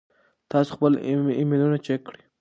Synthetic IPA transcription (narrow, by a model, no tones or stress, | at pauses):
t̪ɑso̥xpəliminunat͡ʃekːɽi